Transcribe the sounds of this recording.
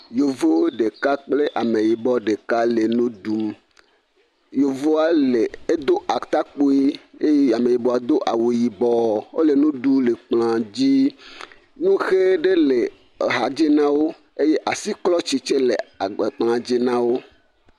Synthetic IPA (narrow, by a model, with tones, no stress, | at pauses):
jo˨vo˦ɖe˨ka˦k͡ple˦ʔa˨me˨ji˨bɔ˦ɖe˨ka˦le˨nũ˦ɖu˨m | jo˨vo˦a˦le˨e˦d̪o˦ʔa˨t̪a˦k͡po˦i˦e˦ja˨me˨ji˨bɔ˨a˨d̪o˦ʔa˨wu˨ji˨bɔ˨o̰˦le˨nũ˦ɖu˦le˨k͡pl̃ã˨d͡ʑi˦ | nũ˦xe˦ɖe˦le˨ | ɦa˨d͡ʑi˦nã˦wo˦ | e˦je˦ʔa˨si˦klɔ˦t͡ɕi˦t͡ʃe˦le˨e˨k͡plã˨d͡ʑi˦nã˦wo˦